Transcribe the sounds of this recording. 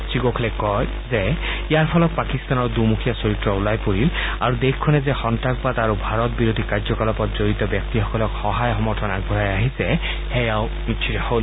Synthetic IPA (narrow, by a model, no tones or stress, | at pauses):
siɡokʰlekɔj | zeijaɹpʰɔlɔt̪̚pakist̪anɔɹd̪umukʰijasoɹit̪ɹɔulajpoɾila̰ɾud̪ekʰːɔnezexɔnʈak̚bad̪aɾubʱaɾɔt̪̚biɾod̪ʱikad͡ʒɔkalɔpɔt̪zoɾit̪ɔbjak̚t̪ixɔkɔlɔkhɔɦajɔɦɔmɔɹtʰɔnaɡbʱɔɦajaɦise | hejaw | mitːʃʰiɾaho